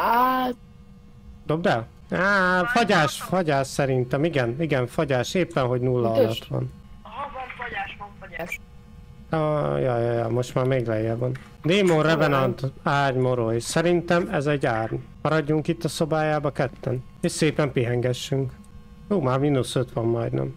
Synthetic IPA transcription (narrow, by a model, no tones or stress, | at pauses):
a | d̪øbɛl | aːfɒɟaːʃfɒɟaːʃsɛɾint̪ɛmiɡɛniɡɛɱfɒɟaːʃeːpːɛnɦo̞ɟnulːɒɒlɒt̪ʋɒ̰n | ɦvɒnfɔɟaːʃʋɒɱfɔɟaːʃ | jɒjjɒ̰mo̞ʃt̪maːrmeːɡlɛjɛvɒn | d̪eːmonrɛvɛnɒnt̪aːrɲmo̞ɾojsɛɾint̪ɛmɛzɛɟːaːrmɒɾɒɟːuŋkit̪ːɒso̞baːjaːbɒkɛt̪ːɛn | eʃseːpɛmpiɦɛŋɡɛʃːyŋk | juːmaːrminusøt̪ʋɒmːɒjd̪nɛ̰m